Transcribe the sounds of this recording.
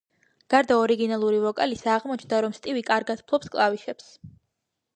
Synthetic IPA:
ɡ̥aɾd̪aɔɾiɡinalˠuɾivɔkʼalisaʁmɔt͡ʃʰnd̪aɾɔmst̪ʼivikʼaɾɡat̪̚pʰlˠɔpskʼlˠaviʃɛps

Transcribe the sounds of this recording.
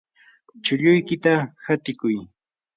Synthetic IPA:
t͡ʃʊʎʊjkɪt̪ahat̪ɪkʊj

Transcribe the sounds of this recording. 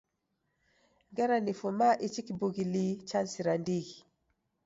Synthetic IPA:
ŋɡɛɾanifumaʔit͡ʃikibuɡilit͡ʃansiɾandiɡi

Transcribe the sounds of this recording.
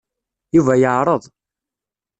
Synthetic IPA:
juvæjəʕɾˤəðˤ

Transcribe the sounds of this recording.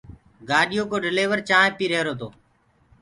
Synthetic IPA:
ɡaːɗɪjoːkoːɖɪleːʋəɾt͡ʃãːẽːpiːɾeːɾoːt̪o̰ː

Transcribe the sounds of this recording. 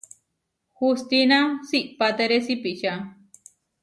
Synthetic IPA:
hust̪inãsiʔpat̪eɾesipiʔt͡ʃa

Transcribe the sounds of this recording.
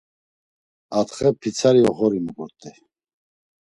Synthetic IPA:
at̪χɛpʰit͡sʰaɾiɔɣɔɾimukɔɾt̪ʼi

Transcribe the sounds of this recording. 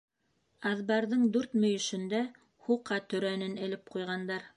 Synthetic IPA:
ɑðbɑɾðɤɴd̪ʉɾt̪mɵ̆jɵ̆ʃɵ̆nd̪æ | huqʰːɑt̪ɵ̆ɾænɘnɘ̆lɘp̚qujʁɑnd̪ɑɾ

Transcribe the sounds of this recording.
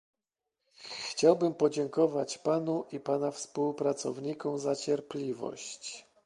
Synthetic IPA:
xt͡ɕawbɘmpɔd͡ʑɛŋkɔvat͡ɕpanuʔipanafspuwpɾat̪sɔ̰vɲikɔmzat͡ɕɛɾplʲivɔ̰ɕt͡ɕ

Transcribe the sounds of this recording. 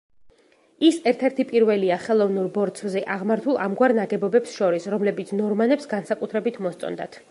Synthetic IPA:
isɛɾt̪ʰɛɾt̪ʰipʼiɾvɛliaχɛlˠɔvnuɾbɔɾt̪sʰvzɛʔaʁmaɾt̪ʰulˠamɡwaɾnaɡɛbɔbɛpsʃɔɾisɾɔmlɛbit̪sʰnɔɾmanɛpsɡansakʼut̪ʰɾɛbit̪ʰmɔst̪sʼɔ̰nd̪a̰t̪ʰ

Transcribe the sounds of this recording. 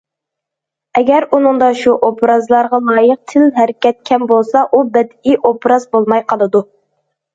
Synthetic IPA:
ɛɡʲɛɾunɨŋd̪ɑʃuʔopʰɾɑzlˠɑɾʁɑlˠɑːjəq̚t̪ʰɪlɦæɾɪkʲɛt̪̚kʲʰɛmbolˠsɑʔubɛd̪iʔopɾɑzbolˠmɑjqʰɑlˠɨd̪u

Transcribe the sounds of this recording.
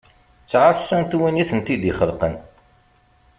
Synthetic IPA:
t͡sːʕasːænt̪winiθənt̪id̪iχəlqən

